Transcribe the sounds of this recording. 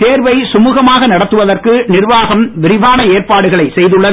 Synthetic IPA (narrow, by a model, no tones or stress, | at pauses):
t̪eːɾʋɐɪsʊmuːɣɐmaːɣɐnɐɽɐt̪ːɯʋɐðɐrkɯnɪrʋaːɣɐmʋɪɾɪʋaːnɐeːrpaːɽɯɣɐɭɐɪsɛjðɯɭːɐ